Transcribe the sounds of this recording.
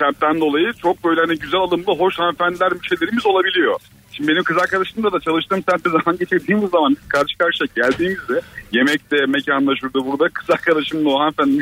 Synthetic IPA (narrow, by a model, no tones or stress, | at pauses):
sæmt̚t̪ʰːænd̪o̞lˠajɯt͡ʃʰo̞k̚bø̞jlʲɛanɛɟyzælʲalˠɯmlˠɯɦo̞ʃhanfænd̪lʲæɾmyʃe̞jlʲe̞ɾimizo̞lˠabilʲijo̞ | ʃimd̪ibe̞nimkɯzaɾkad̪aʃɯmd̪ad̪at͡ʃʰalˠɯʃt̪ɯːmsænt̪ezamanɟet͡ʃʰeɾd̪iːmizːamanbizkʰaɾʃɯ̥kaɾʃɯ̥jaɟælʲd̪iːmizd̪ɛje̞mɛc̚t̪ɛme̞cʰanlˠaʃɯɾd̪uːbuɾd̪akʰɯ̥zaɾkʰad̪aʃɯmlˠoɦanfænd̪ʲim